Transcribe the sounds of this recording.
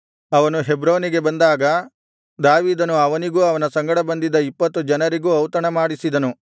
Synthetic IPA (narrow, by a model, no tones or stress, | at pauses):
ɐʋɐnuɦebɾoːniɡe̞bɐnd̪aːɡɐ | d̪aːʋiːd̪ɐnuɐʋɐniɡuːɐʋɐnɐsɐŋɡɐɽɐbɐnd̪id̪ɐipːɐt̪ːud͡ʒɐnɐɾiɡuːɐwt̪ɐɳɐmaːɽisid̪ɐnu